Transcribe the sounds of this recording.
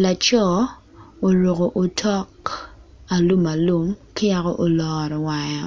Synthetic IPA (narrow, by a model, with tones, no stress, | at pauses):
la˨t͡ʃɔ˦ | o˨ɾo˨ko˨ʔo˨tʰɔ˦k | a˨lu˦ma˨lu˦mkɪ˦ja˨kɔ˦ʔo˨lɔː˨ɾɔ˨wa˨jɔ˨